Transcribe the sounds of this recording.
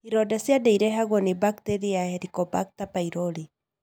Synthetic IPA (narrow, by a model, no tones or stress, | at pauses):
iɾɔdasiadɛiɾɛɦaɣɔnibaktɛɾiahɛɾikɔbak̚tapaiɾɔli